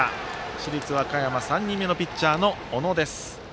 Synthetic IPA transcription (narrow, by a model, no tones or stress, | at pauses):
ɕiɾʲit͡sɨβakajamasãɲ̟ːĩmːe̞no̞pʲitt͡ɕːaːno̞ono̞d̪e̞sɨ̥